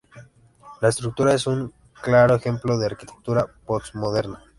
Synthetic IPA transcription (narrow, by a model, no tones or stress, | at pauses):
laest̪ɾuk̚t̪uɾae̞suŋ | klaɾo̞exe̞mplo̞ðe̞aɾkit̪e̞̥k̚t̪uɾaposmo̞ð̞e̞ɾna